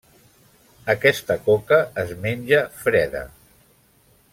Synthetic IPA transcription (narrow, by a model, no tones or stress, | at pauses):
əkɛst̪əkokəːzmenʲʒəfɾɛðə̰